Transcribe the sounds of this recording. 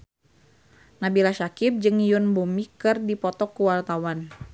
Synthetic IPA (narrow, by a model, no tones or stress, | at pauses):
nabilasakɪp̚d͡ʒɨŋjunbumikɨrdipɔt̪ɔkːuwart̪awan